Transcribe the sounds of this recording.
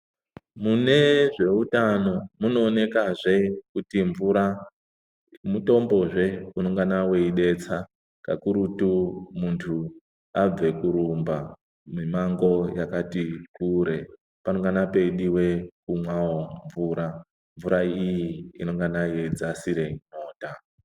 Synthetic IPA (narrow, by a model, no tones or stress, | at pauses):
mune̞ʐe̞utano̞muno̞ːne̞kaʐe̞kutiɱvuɾa | muto̞mbo̞ʐe̞uno̞ŋɡanawe̞iɗe̞t͡sa | ka̰kuɾutumuntʰu | ab͡ve̞kuɾumba | mimaŋɡo̞jakatikuɾe̞ | panoŋɡanape̞ɗiwe̞kumwaoɱvuːɾa | ɱvuɾaijiːno̞ŋɡanajed͡zasiɾe̞no̞ːta